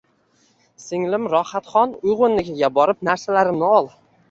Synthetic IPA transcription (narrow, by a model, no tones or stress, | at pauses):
sɪŋlɪmɾɒhat̪χɒnʊjʁʊnːɪɡʲɪɡʲabɒɾɪp̚naɾsalaɾɪmnɪɒlˠ